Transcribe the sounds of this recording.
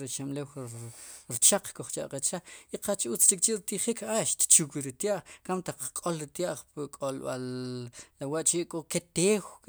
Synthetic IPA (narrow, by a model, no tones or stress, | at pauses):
ɾet͡ʃamlew | ɾt͡ʃaq͡χkoχt͡ʃa̰ʔqet͡ʃaq͡χiqat͡ʃut͡st͡ʃik̚t͡ʃiʔɾit̪iχikaʃt̪t͡ʃukwiɾit̪jaʔχkamt̪aq͡χkʼolɾit̪jaʔχpkʼolɓallawaʔt͡ʃiʔkʼoket̪eːw